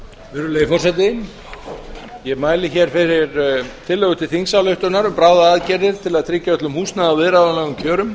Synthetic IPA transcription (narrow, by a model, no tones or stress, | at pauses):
vɛɾʏleːjfɔrsɛt̪ɪn | jɛmaːjlɪçɛɾ̥fɪɾɪɾt̪ʰɪlːœɣʏt̪ʰɪlθiŋsawlœɥht̪ʏnaɾʏmpɾaːwðaaːðcɛɾðɪɾ̥t̪ʰɪlaðt̪ʰɾɪcːaœt̪lʏmhuːsnaðavɪðɾaðanɛɣʏmcʰœːɾʏm